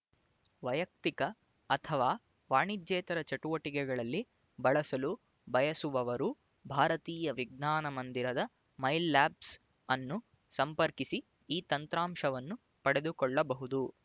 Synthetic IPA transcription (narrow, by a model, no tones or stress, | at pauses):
ʋɐjɐk̚t̪ikɐː | t̪ʰɐʋaː | ʋaːɳid̪d͡ʒɛːt̪ɐɾɐt͡ʃɐʈuʋɐʈikɛɡɐɭɐlːi | bɐɭɐsɐlu | bʱɐjɐsuʋɐʋɐɾu | bʱaːɾɐt̪iːjɐʋiɡnaːnɐmɐnd̪iɾɐd̪ɐ | mɐjlːaːps | ɐnːu | sɐmpɐɾkisi | iːt̪ɐnt̪ɾaːmʂɐʋɐnːu | pɐɽed̪ukɔɭːɐbɐɦud̪u